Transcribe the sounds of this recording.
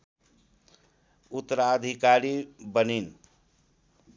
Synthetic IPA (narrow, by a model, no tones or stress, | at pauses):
ut̪ːəɾad̪ʱikaɾibənin